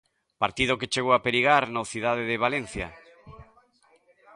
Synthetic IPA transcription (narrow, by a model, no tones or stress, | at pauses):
paɾt̪ið̞ʊket͡ʃeɣoapeɾiɣaɾnoθiðaðeðɪβ̞alen̟θja